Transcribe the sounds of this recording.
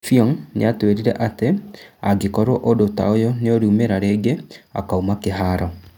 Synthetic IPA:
fiɔŋnḛatweɾiɾɛʔateaɡekɔɾoʔodota̰ojoneoɾiumeɾaɾeːɡea̰kaumakeɦaɾɔ

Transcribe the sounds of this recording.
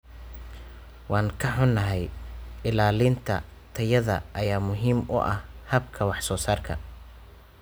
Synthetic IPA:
wɑːŋkʰɐħʊnːɐɦɛjɪlaːliːnt̪ʰɐ̰ | t̪ʰɐjɐðɐ̰ʔɐjaːmʊɦiːmʊ̰ʔɐhhɐbkʰɐwɑħsɔːsaːrkʰɐ̰

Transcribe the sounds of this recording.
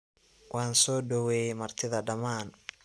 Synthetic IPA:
wʔɑːnsɔːɖɔwɛjmɐrt̪ʰɪðɐɖɐmaːn

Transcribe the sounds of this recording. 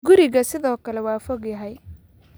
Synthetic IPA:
ɡʊɾɪɣɐsɪðɔːkʰɐlɛwɑːfɔɡjɐɦɛj

